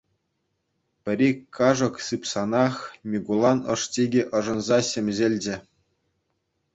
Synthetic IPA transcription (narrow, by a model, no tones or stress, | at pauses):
pʲɘ̆ɾʲikʰːɑʐɤ̆ksɯpsɑnɑxmʲiɡulˠɑnɤ̆ʂtʲeɡʲiʔɤ̆ʐɤ̆nzɑɕemʲʑelʲd͡ʑɘ̆